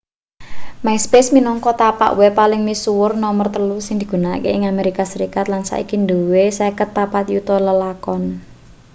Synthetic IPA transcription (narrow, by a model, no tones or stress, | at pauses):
mainspesminɔŋkɔt̪apa̰ʔwepalɪŋmisuwʊrnɔmərt̪əlusɪŋd̪i̥ɡ̥ṳnakeɪŋameɾikasəɾikat̪̚lansa̰ʔḭkind̪owesɛkət̪ːapat̪jut̪ɔləlakɔn